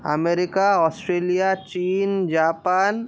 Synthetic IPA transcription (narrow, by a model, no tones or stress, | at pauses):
ɐ̰meːɾɪkaɔːsʈɾeːlijat͡ʃiːnd͡ʒaːpaːn